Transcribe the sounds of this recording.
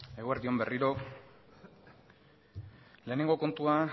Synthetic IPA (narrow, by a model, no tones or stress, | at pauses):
e̞ɣoeɾðio̞mbe̞riɾo̞ | le̞ːne̞ŋɡo̞ko̞nt̪ua